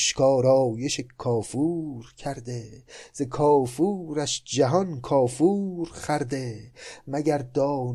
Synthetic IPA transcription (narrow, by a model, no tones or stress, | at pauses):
ʃkʰɒːɾɒːjeʃekʰɒːfuːɾcʰæɾd̪ez̥ekʰɒːfuːɾæʃd͡ʒæɦɒnkʰɒːfuːɾχæɾd̪emæɟæɾd̪ɒːn